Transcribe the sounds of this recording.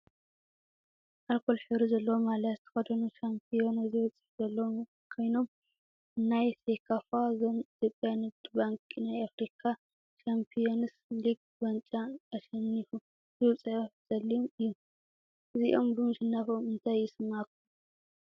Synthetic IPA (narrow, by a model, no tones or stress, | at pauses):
ʔalkʰo̞lħɨβɾizɐlːɐwomalat̪ʰɐ̥xɐd̪ɐnuʃampʰijo̞naziwɐt͡sʼɨħzɐlːɐwo | kʰo̞jno̞m | nːajsekʰafaazomit̪jopʼjanɐt̪baŋkʼinajafɾikʰa | ʃampʰionɨsliɡ̚ | bɐnt͡ʃʼaːʃɐnːifu | zɨwɐt͡sʼɐʕoz̥ɐlːijomɨjːu | ʔɨziʔo̞mbɨnʃɨnːafomɨnt̪ʰajɪsɨmakːum